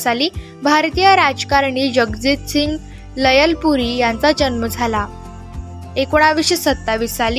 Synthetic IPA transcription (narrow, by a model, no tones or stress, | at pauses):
saliː | bʱaɾt̪ijəɾad͡zkaɾɳiːd͡ʑəɡd͡zit̪siŋɡ | ləjəlpuɾiːjãnt͡sad͡ʑənməd͡zʱala | ekoɽ̃aʋiɕisət̪ːaʋisali